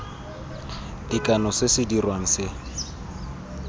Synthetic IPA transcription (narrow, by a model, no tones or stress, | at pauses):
d̥ikʼanɔsɪsɪdirwaŋ̩sɪ